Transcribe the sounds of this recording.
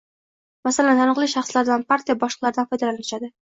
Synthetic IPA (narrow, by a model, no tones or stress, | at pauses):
masalant̪ʰanɨqlˠɪʃaχslaɾd̪anpaɾt̪ʰijabɒʃlˠɨqlˠaɾɪd̪anfɒjd̪alanɪʃad̪ɪ